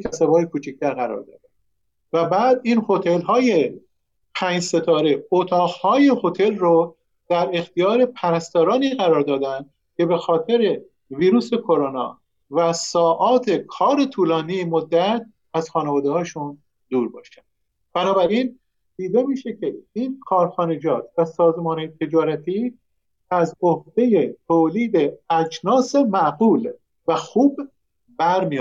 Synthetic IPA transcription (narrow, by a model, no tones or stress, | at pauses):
kʰæsæbɒːjekʰuːt͡ʃʰic̚t̪ʰæɾɣæɾɒ̰ːɾd̪ɒ̰ːd̪æn | væbæːd̪iːnho̞t̪ʰe̞lɦɒːje̞ | pʰæːɲd͡ʒse̞t̪ʰɒːɾe̞ot̪ʰɒːɣhɒːje̞ho̞t̪ʰe̞lro | d̪̥æɾe̞xt̪ʰijɒːɾe̞pʰæɾæst̪ɒːɾɒːniːɣæɾɒːɾd̪ɒːd̪ænd̪̥̚ | cʰe̞be̞xɒːt̪ʰe̞ɾe̞ | viːɾuːse̞kʰo̞ɾonɒ̰ː | væsɒːʔɒːt̪ʰe̞kʰɒːɾet̪ʰuːlɒːnijemod̪ːæt̪̚ | æz̥xɒːnevɒːd̪ehɒːʃun | d̪̥uːɾbɒ̰ːʃænd̪̥ | b̥ænɒːbæɾin | d̪̥iːd̪emiːʃecʰeiːnkʰɒːɾxɒːne̞d͡ʒɒːt̪væsɒːzemɒːnet̪ʰe̞d͡ʒɒːɾæt̪ʰi | æzohd̪̥e̞jet̪ʰoːliːd̪e̞æt͡ʃnɒːsemæʔɢuːl | væxuːb | bæɾmi